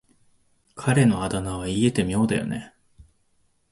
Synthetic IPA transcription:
kʰaɾe̞no̞ad̪anaβaie̞t̪e̞mʲio̞ːd̪ajo̞̰ne̞̰

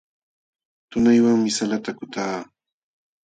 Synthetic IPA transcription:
t̪ʊnajwaŋmɪsalat̪akʊt̪aː

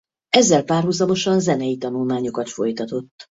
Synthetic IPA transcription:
ɛzːɛlpaːrɦuzɒmo̞ʃɒnzɛnɛjit̪ɒnulmaːɲo̞kɒt̪fo̞̰jt̪ɒt̪o̞t̪ː

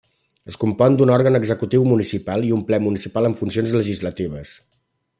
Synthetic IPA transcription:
əskumpɔnd̪unɔɾɣənəɡzəkut̪iwmunisipalˠiumplɛmunisipaləɱfunsionzləʒizlət̪iβ̞əs

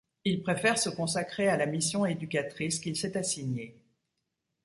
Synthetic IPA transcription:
ilpχefɛʁsəkɔ̃sakχealamisjɔ̃ed̪ykʲat̪χiskʲilsɛt̪asiɲe

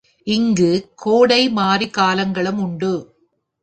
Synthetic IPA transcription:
ʔɪŋɡɯkʰoːɽɐɪmaːɾikaːlɐŋɡɐɭɯmʊɳɖɯ

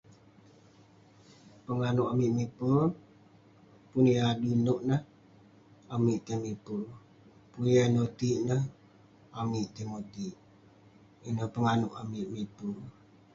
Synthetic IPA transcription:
pəŋanuʔamiʔmipəl | puniadunuʔnəh | amiʔt̪emipul | punjjanot̪iʔnəh | amiʔt̪eŋot̪iʔ | inəhpəŋanuʔamiʔmipur

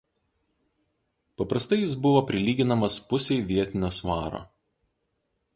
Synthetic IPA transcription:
pɐpɾɐst̪ɐɪjɪs̬bʊʋoːpʲɾʲɪlʲiːɡʲɪnɐmɐspʊsʲɛɪʋʲiɛt̪ʲɪnʲoːsʋɑːɾo̰ː

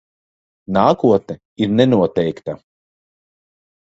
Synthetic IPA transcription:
naːkuɔt̪̚nɛ | iɾnɛnuɔt̪ɛjkt̪a

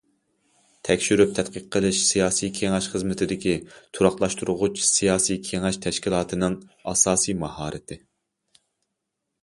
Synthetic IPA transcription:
t̪ʰɛkʲʃyɾyp̚t̪ʰɛt̪̚qəqʰːəlˠɨʃsijɑːsijkʲʰeŋɛʃχəzmɪt̪ʰɪd̪ɪkʲit̪ʰuɾɑχlˠɑʃt̪uɾʊʁʊt͡ʃʰsijɑːsijkʲʰeŋɛʃt̪ʰɛʃkʲilˠɑːt̪ʰɨnɨŋɑsɑːsijmɑhɑːɾʔɨ̰t̪ʰɪ

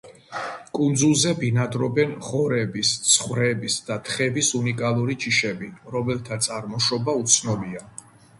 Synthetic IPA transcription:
kʼund̪zulˠzɛbinad̪ɾɔbɛnχɔɾɛbist̪sʰχwɾɛbisd̪̥at̪ʰχɛbisunikʼalˠuɾit͡ʃʰiʃɛbiɾɔmɛlˠt̪ʰat̪sʼaɾmɔʃɔbaut̪sʰnɔbia

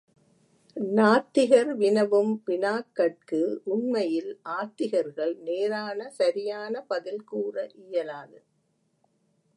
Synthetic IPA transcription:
naːt̪ːɪɣɐɾʋɪnɐʋɯmʋɪnaːkːɐʈ̚kɯʊɳmɐjɪlʔaːt̪ːɪɣɐɾɣɐɭneːɾaːnɐsɐɾɪjaːnɐpɐðɪlkuːrɐʔɪjɐlaːðɯ

